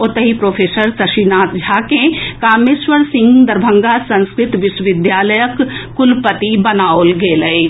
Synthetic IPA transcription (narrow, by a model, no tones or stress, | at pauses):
ot̪əɦipɾoːfʰeːsəɾsɐʃinaːt̪d͡ʒʱaːkẽkaːmeswəɾsɪ̃ŋɡd̪ɐɾbʱə̃ŋɡasɐ̃nskɾɪt̪ʋɪʃwəʋɪd̪jaːləjəkː | ʊlpət̪ibɐnaːolɡeːləe